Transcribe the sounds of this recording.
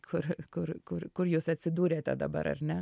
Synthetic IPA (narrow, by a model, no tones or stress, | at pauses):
kʰʊɾkʊɾkʊɾkʊɾjusɛt̪səd̪uːɾɛt̪a̰d̪a̰bɑ̰ɾa̰ɾnɛ